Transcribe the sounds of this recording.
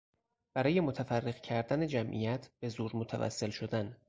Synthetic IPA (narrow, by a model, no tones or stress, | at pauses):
b̥æɾɒːje̞mot̪ʰæfærːeɣcʰæɾd̪æned͡ʒæmʔḭjæt̪ʰb̥ezuːɾmot̪ʰævæ̰sːe̞lʃo̞d̪æn